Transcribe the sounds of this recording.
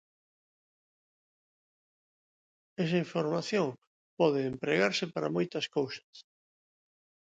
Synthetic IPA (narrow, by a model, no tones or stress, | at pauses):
ɛsaiɱfoɾmaθjoŋ | pɔðeːmpɾeɣaɾsɪpaɾa̰mojt̪ɐskowsḁs